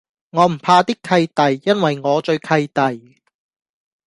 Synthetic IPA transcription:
ŋɔː˨˧m̩˨˩pʰaː˧t̪i˥kʰɐ˧jt̪ɐ˨jːɐ˥nwɐ˨jŋɔː˨˧t͡ʃɵ˧ɥkʰɐ˧jt̪ɐ˨j

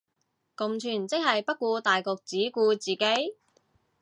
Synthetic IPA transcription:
kʊ˨mt͡ʃʰyː˨˩nt͡sɪ˥k̚hɐ˨jpɐ˥t̚kuː˧t̪aː˨jkʊ˨k̚t͡siː˨˥kuː˧t͡siː˨˩ke˨˥j

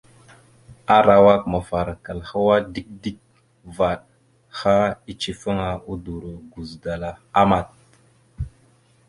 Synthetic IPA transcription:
a˦ɾa˨wa˦kma˨fa˨ɾa˨ka˨lha˦wa˦di˦k̚di˦k̚ | va˨ɗ | xa˦i˨t͡ʃi˨fə˦ŋa˨u˦du˨ɾo˨ɡu˨zda˨la˨a˦ma˨t̚

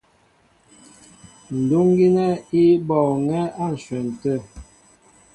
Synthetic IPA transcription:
n̩˨du˦ŋɡi˦nɛ˦i˦bɔ˨ŋɛ˦a˦˨n̩˨sɥɛ˨n̩˨tə˦˨

